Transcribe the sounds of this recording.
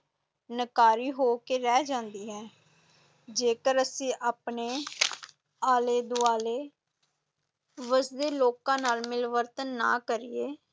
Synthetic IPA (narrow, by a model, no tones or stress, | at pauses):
nəkaːɾiːɦoːkeːɾɛːd͡ʒãːnd̪iːɦɛː | d͡ʒeːkəɾəsĩːʔaːpneː | aːleːd̪ʊaːleː | ʋəsd̪eːloːkãːnaːlmɪlʋəɾt̪ənːa̰ːkəɾiːeː